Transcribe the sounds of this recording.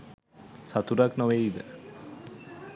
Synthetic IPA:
sat̪uɾaknoʋeid̪ə̰

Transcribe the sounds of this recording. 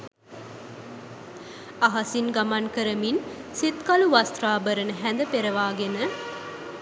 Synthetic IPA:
aɦasinɡamankəɾəminsit̪kaluʋast̪ɾaːbəɾənəɦænd̪əpeɾəʋaːɡenə

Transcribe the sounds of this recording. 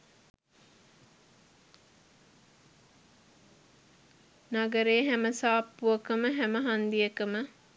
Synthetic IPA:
naɡəɾeːɦæməsaːpːuəkəməɦæməɦand̪iəkəmə

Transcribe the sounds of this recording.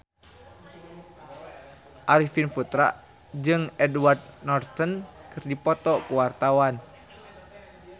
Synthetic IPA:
ʔaɾifinfut̪ɾa̰ʔ | d͡ʒɨŋɛdward̪̚nɔrt̪ənkɨrdipɔt̪ɔkuwart̪awan

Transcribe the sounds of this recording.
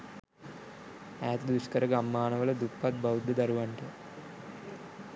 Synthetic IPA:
æːt̪d̪uskəɾəɡamːaːnəʋələd̪upːat̪̚bawd̪ːəd̪aɾuʋaɳʈə

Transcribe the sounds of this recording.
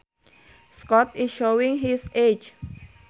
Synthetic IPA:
skɔt̪isʃowĩŋɦised͡ʒ

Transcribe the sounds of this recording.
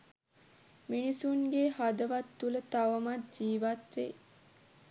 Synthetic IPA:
minisuŋɡehad̪əʋat̪ːulət̪aʋəmat̪̚d͡ʒiːʋat̪ʋḛ

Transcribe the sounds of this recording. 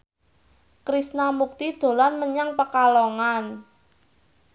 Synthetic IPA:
kɾisnamuk̚t̪id̪̥o̤lanməɲaŋpəkalɔŋan

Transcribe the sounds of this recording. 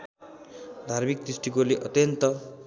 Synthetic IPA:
d̪ʱarmik̚d̪ɾisʈikoleʔʌt̪jʌnt̪ʌ

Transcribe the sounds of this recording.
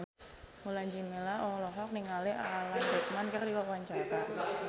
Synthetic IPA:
mulaɲd͡ʒimelaʔɔlɔɦɔk̚niŋalɛaalansɛt̪̚mankərdikarwaɲt͡ʃaɾa

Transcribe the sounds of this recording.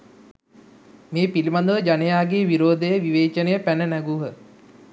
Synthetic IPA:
meːpilimand̪əʋəd͡ʒanejaːɡeːʋiɾoːd̪əjəʋiʋeːt͡ʃənejəpænənæɡuɦə

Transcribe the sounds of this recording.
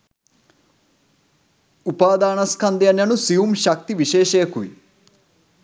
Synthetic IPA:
upaːd̪aːɳɐskʰɐnd̪ijɐnjɐnusijumʃɐk̚t̪iʋiʃeːʃeːɐkuʋḭ

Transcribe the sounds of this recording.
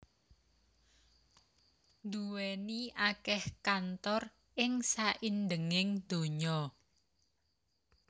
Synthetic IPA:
nd̪uweniʔakɛhkant̪ɔr | ʔɪŋsaʔinɖəŋɪŋd̪̥o̤ɲɔ

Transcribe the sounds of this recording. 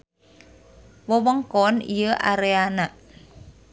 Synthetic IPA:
wɔwɔŋkɔnḭjəʔa̰ɾeanaʔ

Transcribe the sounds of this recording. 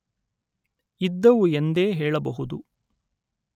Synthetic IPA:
id̪ːɐʋuend̪eːɦeːɭɐbɐɦud̪u

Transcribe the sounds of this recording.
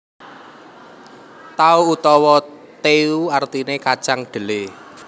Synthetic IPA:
t̪auut̪ɔwɔ | t̪euart̪inekḁt͡ʃaŋɖ̪̥ə̤le

